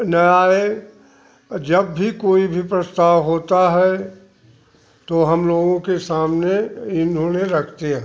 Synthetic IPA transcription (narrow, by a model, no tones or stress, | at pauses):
nɐaːe | d͡ʒɐbːʱikoːibʱipɾɐst̪aːʋɦoːt̪aɦɛ | t̪oɦɐmloːɡõkesaːmneɪnɦõneɾɐkʰt̪eɦɛ̃